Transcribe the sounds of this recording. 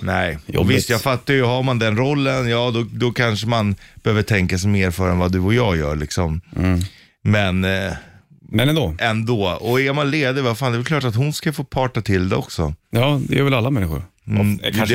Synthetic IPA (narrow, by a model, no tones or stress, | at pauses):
nɛɪj̰vɪst̪jaːɡfat̪ːaɾjɵɦaɾmand̪ɛnɾɔlːənjɑːd̪ɔd̪ɔkʰanʂəmanb̥ɛhøːvəʈʰɛŋkasɛmeːɾfœɾɛnvad̪ɵɔjɑːɡjœ̰ːɾɭɪksɔm | mɛn | mɛnɛnd̪oːɛnd̪oːɔɛɾmanleːd̪əvafaːnd̪ɛvɛlkʰlɑːʈat̪hʊnskafoːpʰɑːʈat̪ʰɪld̪ɛɔksɔjɑːd̪ɛ̰j̰vɛlalːamɛnːɪxʊ̰ɾ | m